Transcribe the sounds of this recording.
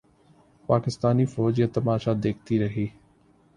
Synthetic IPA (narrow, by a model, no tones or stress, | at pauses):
paːkɪst̪aːnifɔːd͡ʒjat̪ɐmaːʃad̪eːk̚ʰt̪iɾɐɦiː